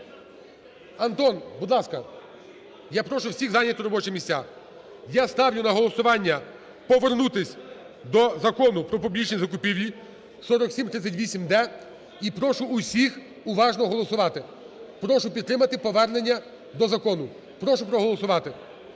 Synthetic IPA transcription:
ɐnt̪ɔnbud̪lˠɑskɐ | japɾɔʃʊwsʲiɣzɑnʲɐt̪ʊɾɔbɔt͡ʃɛmʲisʲtʲa | jast̪ɑwnʲʊnɐɦɔlˠɔsʊʋɑnʲːɐ | pɔʋernut̪ɪsʲ | d̪ɔzɐkɔnʊpɾɔpɔblʲit͡ʃnʲizɐkʊpʲiʋʲji | sɔɾɔksʲimt̪ɾɪt͡sʲːɐtʲʋʲisʲimd̪ɛ | ipɾɔʃʊːsʲix | ʊʋɑʒnɔɦɔlˠɔsʊʋɑt̪ɪ | pɾɔʃʊpʲid̪t̪ːɾɪmɐt̪ɪpɔʋɛrne̞nʲːɐ | d̪ɔzɐkɔnʊ | pɾɔʃʊpɾɔɦɔlˠɔsʊʋɑt̪ɪ

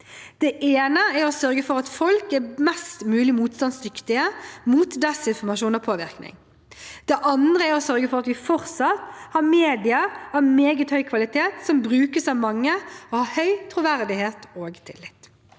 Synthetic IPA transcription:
d̪̥ɛʔeːnəæɾɔsœɾɡəfɔɾɑt̪fɔlkɛmɛst̪mʉːlɪmuːt̪st̪ɑnsd̪ʏkt̪ɪəmuːt̪d̪ɛsɪnfɔmɑʃuːnɑpʰoːʋɪɾknɪ̰ŋ | d̪̥ɛʔɑnd̪ɾəæɾɔsœɾɡəfɔɾɑt̪ʋɪfɔɾsɑt̪hɑɾmeːd̪ɪəɾɑʋmeːɡət̪hœʏkʰʋɑlɪt̪ʰeːt̪sɔmbɾʉːkəsɑʋmɑŋːəɔhɑhœʏt̪ʰɾuʋæɾd̪ɪheːt̪oːɡt̪ʰɪ̰lːɪt̪

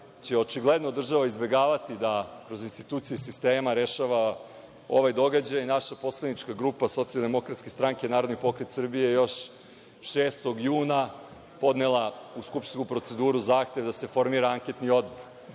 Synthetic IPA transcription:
t͡ɕeo̞t͡ʃiɡled̪nod̪r̩ʒaʋaizbe̞ɡaːʋat̪id̪akɾo̞zinst̪it̪uːt̪sijusist̪eːmaɾe̞ʃaʋa | o̞̰ʋajd̪o̞ɡad͡ʑajinaʃapo̞sled̪nit͡ʃkaɡɾuːpaso̞t̪sijalˠd̪e̞mo̞kɾat̪skʲe̞st̪ɾaŋke̞naːɾo̞d̪nipo̞kɾet̪sr̩bijejo̞ʃ | ʃeːst̪o̞ɡjuːna | po̞d̪nelˠauskupʃt̪nkupɾo̞t̪se̞d̪uːɾuzaːxt̪eʋd̪ase̞fo̞ɾmiːɾaaŋke̞t̪nio̞d̪̚boɾ

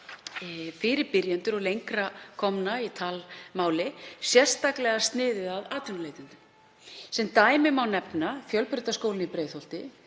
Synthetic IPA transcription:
fɪːɾɪɾpɪɾjant̪ʏɾɔɣlejŋkɾakʰɔmnait̪ʰaːlmaːwlɪsjɛr̥st̪aklɛɣast̪nɪːðɪðaðaːt̪ʏnaleːjt̪ʏnt̪ʏm | sɛmt̪aːjmɪmawnɛpnafjœlpʏɾt̪askowlɪnipɾeːjθhowl̥t̪ɪ

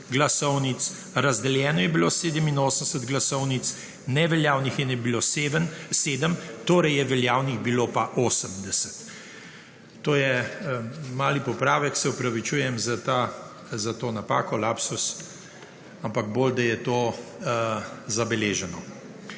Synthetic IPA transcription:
ɡlasɔwnit̪s | ɾazd̪ɛljɛːnɔjɛbiloseːd̪əminoːsənsət̪ɡlasɔwnit̪s | nɛʋɛljaːwnixjɛnɛbilosʋənseːd̪əmt̪oːɾɛjɛʋɛljaːwnixbiloːpaʔoːsəmd̪ɛsɛ̥t̪ | oːjɛ | maːlipɔpɾaːʋɛksɛupɾaʋit͡ʃuːjɛmzat̪a | zat̪oːnapa̰ːkɔlapsus | ampaɡ̚boːld̪ajɛt̪oː | zabɛleːʒɛnɔ

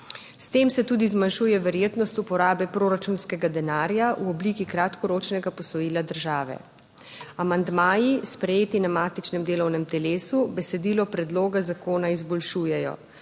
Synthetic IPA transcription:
st̪eːmsɛt̪uːd̪izmanʃuːjɛʋɛɾjeːt̪nɔst̪upɔɾaːbɛpɾoːɾat͡ʃunskɛɡad̪ɛnaːɾjaʔuɔbliːkikɾat̪kɔɾoːt͡ʃnɛɡapɔsɔjiːlad̪əɾʒaːʋɛ̰ | amand̪maːjispɾɛjeːt̪inamaːt̪it͡ʃnɛmd̪eːlɔwnɛmt̪ɛleːsubɛsɛd̪iːlɔpɾɛd̪loːɡazakoːnaizbɔlʃuːjɛjɔ̰

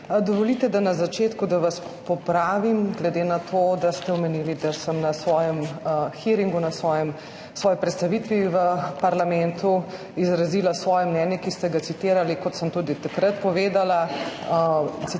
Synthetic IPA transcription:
d̪ɔʋɔlit̪ɛd̪anazat͡ʃeːt̪kud̪aʋaspɔpɾaːʋimɡlɛd̪enat̪ʰod̪ast̪ɛɔmɛnilid̪asəmnasʋɔːjɛmxiɾiŋɡunasʋɔjɛm | sʋɔːjipɾɛt̪st̪aʋit̪ʋiʋəpɐɾlamɛnt̪u | izɾazilasʋɔːjɛmnɛnjɛkist̪ɛɡat̪sit̪iːɾalikɔt̪səmt̪ud̪it̪akɾət̪pɔʋeːd̪ala | si

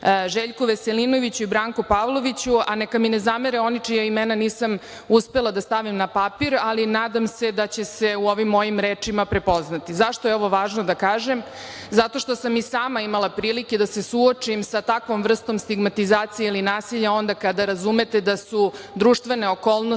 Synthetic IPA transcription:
ʒeʎkuʋeselino̞ʋit͡ɕuibɾaːŋkupaːʋlˠo̞ʋit͡ɕuanekaminezameɾeo̞nit͡ʂijaimɛnaniːsam | uspe̞lˠad̪ast̪aʋimnapapiɾalinaːd̪amse̞d̪at͡ɕese̞uo̞ʋimːo̞jimɾeːt͡ʂimapɾe̞poznat̪izaʃt̪ojeo̞ʋo̞ʋaːʒnod̪akaːʒem | zat̪o̞ʃt̪osamisaːmaimalˠapɾiːliked̪ase̞suot͡ʂimsat̪akʋo̞mvr̩st̪o̞mst̪iɡmat̪izaːt̪sijeilinaːsiʎao̞nd̪akad̪aɾazume̞t̪e̞d̪asu | d̪ɾuʂt̪ʋe̞ne̞oko̞ːlˠno

